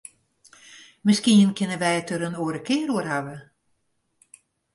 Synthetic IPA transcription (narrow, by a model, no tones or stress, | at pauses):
mɪskiənkʰɪnəʋɛjətəɾənoəɾəkʰɪəɾuərhaʋə